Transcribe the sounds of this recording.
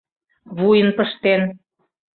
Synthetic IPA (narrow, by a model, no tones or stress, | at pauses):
βujənpəʃt̪en